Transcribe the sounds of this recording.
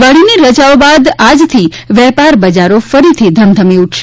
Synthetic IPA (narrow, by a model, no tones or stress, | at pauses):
ʋəɭiniɾəd͡ʒaʋbad̪ad͡ʒt̪ʰiʋɛpaɾbəd͡ʒaɾofəɾit̪ʰid̪ʱəmd̪ʱəmiuʈʰʃe